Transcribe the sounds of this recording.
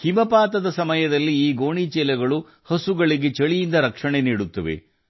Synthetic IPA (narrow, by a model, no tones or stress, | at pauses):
himɐpaːt̪ɐd̪ɐsɐmɐjɐd̪ɐlːiiːɡoːɳit͡ʃɛːlɐɡɐɭu | hɐsuɡɐɭiɡe̞t͡ʃɐɭijind̪ɐɾɐkʂɐɳeniːɽut̪ːɐʋḛ